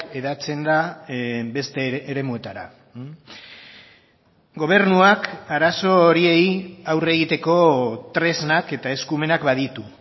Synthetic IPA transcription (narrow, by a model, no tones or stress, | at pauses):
e̞ðat͡se̞nd̪a | be̞st̪e̞ːɾe̞mue̞t̪aɾa̰ | ɡo̞β̞e̞ɾnuakaɾaso̞ɾie̞jawre̞ɣ̞it̪e̞ko̞t̪ɾe̞znake̞t̪ae̞skume̞nakbaðit̪u